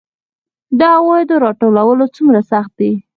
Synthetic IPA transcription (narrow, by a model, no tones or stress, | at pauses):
d̪ɑwɑjd̪əɾɑʈolawəlot͡sumɾasaxt̪̚d̪i